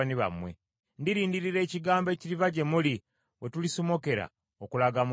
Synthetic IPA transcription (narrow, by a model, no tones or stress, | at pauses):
aniβa̰mwe̞̰ | ndiɾiːndiɾiɾe̞ːciɡaːmbe̞ːciɾivaɟe̞muli | we̞tulisomo̞ke̞ɾa̰ | okulaɡamu